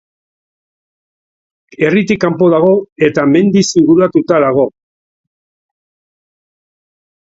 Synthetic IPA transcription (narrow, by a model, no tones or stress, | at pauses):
e̞rit̪ikːampo̞ðaɣ̞o̞e̞t̪ame̞nd̪isiɣuɾat̪ut̪aðaɣ̞o̞